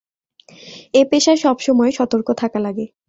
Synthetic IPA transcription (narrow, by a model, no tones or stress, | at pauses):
epeʃaɾʃɔbʃɔmɔeʃɔt̪oɾkot̪ʰakalaɡe